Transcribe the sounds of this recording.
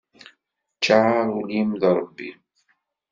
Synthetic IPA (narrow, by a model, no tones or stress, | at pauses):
t͡ʃːaʕaɾˤulimðɾˤəbːḭ